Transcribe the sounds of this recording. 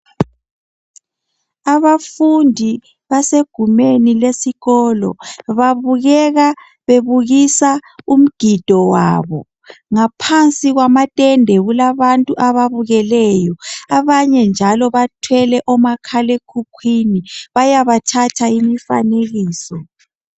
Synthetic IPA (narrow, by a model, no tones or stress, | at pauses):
aβafundʱi | βaseɡ̥ʱumenilesiɣɔːlɔ̰βaβuɣɛɣa | βeβuɣisaum̩ɡ̥ʱid̥ʱɔwa̰ːβɔ̰ | ŋapʰant͡sʼiɣwamatʼɛndʱɛɣulaβantʼuʔaβaβuɣɛlɛjɔaβaɲɛnd͡ʒʱalɔβatʰwɛlɛʔɔmakʰalekʰukʰwiniβajaβatʰatʰaimifa̰neɣiːsɔ